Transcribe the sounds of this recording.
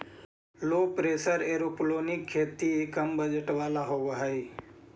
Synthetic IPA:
loːpɾeːsəɾeːɾoːploːnɪkʰːeːt̪iekəmbəd͡ʒəʈʋaːlaɦoːʋɦəi

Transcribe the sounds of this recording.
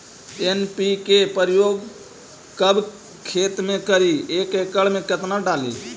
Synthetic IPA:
enpikepəɾɪjoːɡ | kəb | kʰeːt̪mẽkəɾieːkekəɭmẽkət̪naɖaːlḭː

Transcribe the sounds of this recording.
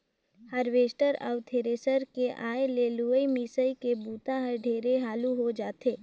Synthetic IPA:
həɾʋeːsʈəɾə̰ʋt̪ʰeːɾeːsəɾkeʔaːeleːluːəimiːsəikebuːt̪ãɦəɾɖʱeːɾeɦaːluɦod͡ʒaːt̪eː

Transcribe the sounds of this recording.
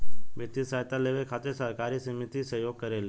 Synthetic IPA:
ʋet̪isajt̪aleʋekʰaːt̪eɾsəɾkaːɾisəmɪt̪isəjoːɡ̚kəɾele

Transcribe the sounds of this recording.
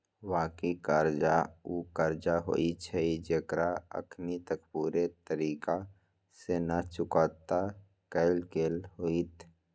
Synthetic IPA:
waːkiikaːɾd͡ʒaukəɾd͡ʒaɦo̰ːit͡ʃʰɛid͡ʒekɾaə̰kʰnit̪əkpuːɾet̪əɾiːka | senat͡ʃʊkaːt̪a | kəɪlkeːlɦoit̪ʰ

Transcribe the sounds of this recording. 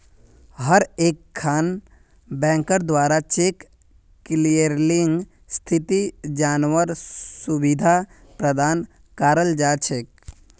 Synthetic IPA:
ɦəɾeːkʰːaːn | bɛ̃ːŋkəɾd̪waːɾat͡ʃeːkː | lijəɾlɪ̃ŋɡ | st̪ʰɪt̪id͡ʒaːnwəɾsʊbɪd̪ʱa | pɾəd̪ʱaːn | kaːɾəld͡ʒaːt͡ʃʰeːk

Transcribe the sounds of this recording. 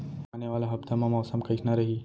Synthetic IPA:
aːneʋaːlaɦɐbt̪ʰɐmãmɔːsɐmkɐʃʰnɐɾɐɦiː

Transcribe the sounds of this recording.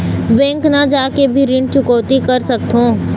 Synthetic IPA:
ʋɛ̃ːŋknɐd͡ʒaːkebʱiɾɪ̃ɳɖ̚t͡ʃʊkɔːt̪ikɐɾsɐk̚t̪ʰõː

